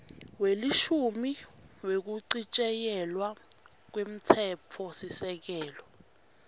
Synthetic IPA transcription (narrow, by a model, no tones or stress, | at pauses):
weliʃumiwek̬uǀit͡ʃʼɛjɛlwa | k̬wem̩tʰɛpʰɔsisɛk̬ɛːlɔ